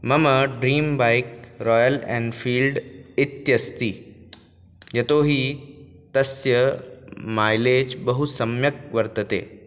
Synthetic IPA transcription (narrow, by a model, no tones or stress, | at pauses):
mɐmɐɖɾiːmbaːɪk̚ɾɔːjəlɛ̰̃ːɳɖfʰiːlɖɪt̪jɐst̪iː | jɐt̪oːɦiː | t̪ɐsjə | maːjleːd͡ʒbɐɦusɐmjək̚ʋɐɾt̪ət̪ḛː